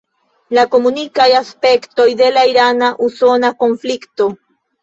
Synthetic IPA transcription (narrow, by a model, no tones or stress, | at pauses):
lako̞munikajaspekt̪o̞jd̪e̞laiɾanaʔusonako̞nflikt̪o